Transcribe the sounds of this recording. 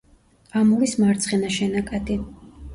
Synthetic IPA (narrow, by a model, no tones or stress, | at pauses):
amuɾismaɾt̪sʰχɛnaʃɛnakʼad̪i